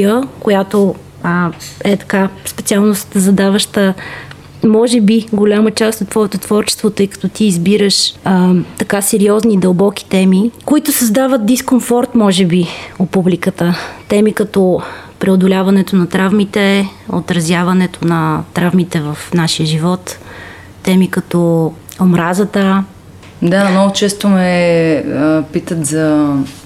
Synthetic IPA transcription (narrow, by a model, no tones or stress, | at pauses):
əkojat̪o | əɛt̪ɐ̥kaspɛt̪sialˠnost̪əzɐd̪avəʃt̪ə | mɔʒɛbiɡolʲamət͡ʃast̪ot̪ːvɔɛt̪ot̪ːv̥ɔɾt͡ʃɛ̥st̪vot̪ɤjkɐ̥t̪ɔt̪iːzbiɾəʃət̪ɐkasɛɾiɔznid̪əlˠbɔk̟ʲi̥t̪ɛmikoit̪ʊsɐzd̪avət̪̚d̪iskomfɔɾt̪mɔʒɛbiopublikət̪ət̪ɛmikɐt̪ɔpɾɛod̪olʲavɐnɛt̪onɐt̪ɾavmit̪ɛo̰t̪ɾɐzʲjavɐnɛt̪onɐt̪ɾavmit̪ɛvɐfnaʃijəʒivɔt̪ː | ɛmikɐt̪ɔ | omɾazət̪ə | d̪amnɔɡʊt͡ʃɛst̪omɛ | pit̪ət̪zɐ